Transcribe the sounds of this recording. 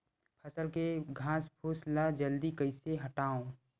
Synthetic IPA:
pʰəsəlkeɡʱãːspʰuːslad͡ʒəld̪ikəɪseɦɐʈaːõː

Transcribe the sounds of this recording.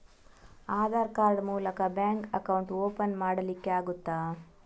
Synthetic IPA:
aːd̪aːɾkaːɾɖmuːlɐkɐbjaːŋkɐkɐwɳʈoːpɐnmaːɽɐlikːeaːɡut̪ːaː

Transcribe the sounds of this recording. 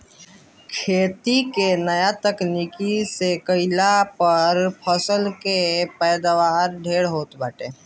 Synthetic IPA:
kʰeːt̪ikenəjat̪əknikisekəɪlapəɾpʰəsəlkepɛːd̪aʋaːɾɖʱeːɽɦoːt̪bəːʈeː

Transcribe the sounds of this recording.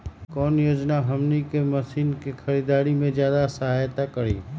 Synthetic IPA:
kɔːnjoːd͡ʒnaɦɐmnikemɐsiːnkexɐɾiːd̪aːɾimẽzjaːd̪asɐɦaːjt̪akɐɾḭː

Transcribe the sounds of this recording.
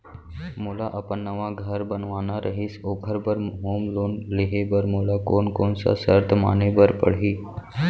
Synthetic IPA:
mulaʔəpənːəʋaɡʱəɾbənʋaːnaɾʔəɦisoːkʰəɾbəɾɦoːmloːnleɦebəɾmulakoːnkonsa̰səɾt̪ʰəma̰nebəɾpə̰ɽ̤iː

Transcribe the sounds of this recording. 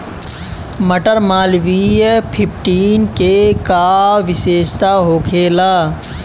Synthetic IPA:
məʈəɾmaːlʋipʰɪpʰʈiːnkekaʋɪʃeːʃt̪aɦoːkʰeːlaː

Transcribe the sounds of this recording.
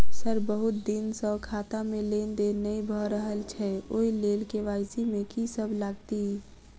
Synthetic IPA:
səɾbəɦʊt̪̚d̪insɔkʰaːt̪amẽleːnd̪enəibʱɔɾəɦəlt͡ʃʰɛoːileːlkeʋaːɪsimẽkisəblaːɡt̪i

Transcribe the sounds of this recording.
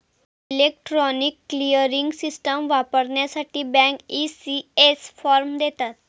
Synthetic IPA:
ilek̚ʈɾɔnikːlijəɾiŋɡsisʈəmʋapəɾɳjasaʈiːbɛ̃ŋkisiesfɔɾmd̪et̪at̪

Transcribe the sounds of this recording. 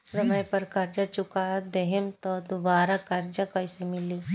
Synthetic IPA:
səməjpɐɾkɐɾd͡ʒat͡ʃʊkad̪eɦemt̪ɔd̪uʋaːɾakɐɾd͡ʒakɐjsemɪli

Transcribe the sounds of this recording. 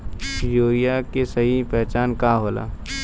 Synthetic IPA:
joːijakesɐɦipɛɦt͡ʃaːnkaɦoːla̰ː

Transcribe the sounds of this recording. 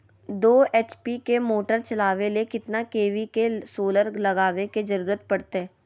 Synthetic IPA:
d̪oːeːt͡ʃpikemoːʈəɾt͡ʃɐlaːʋelekɪt̪nakeːʋikesoːləɾlɐɡaːʋekezɐɾuːɾət̪̚pɐɽt̪eɦɛ̃ː

